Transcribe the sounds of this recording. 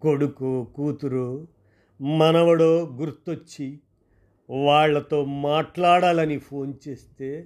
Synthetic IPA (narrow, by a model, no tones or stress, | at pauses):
koɽukoːkuːt̪uɾoː | mɐnɐʋɐɽoːɡuɾt̪ːot͡ʃːi | ʋaːɭːɐt̪o̞ːmaːʈlaːɽaːlɐnipʰo̞ːnt͡ʃe̞ːst̪e̞ː